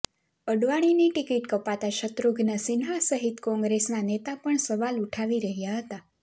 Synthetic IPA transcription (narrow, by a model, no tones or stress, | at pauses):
əɖʋaɽ̃iniʈikiʈkəpat̪aʃət̪ɾuɡʱnasɪnɦasəɦit̪kɔ̃ŋɡɾesnanet̪apəɳsəʋaluʈʰaʋiɾəɦjaɦət̪a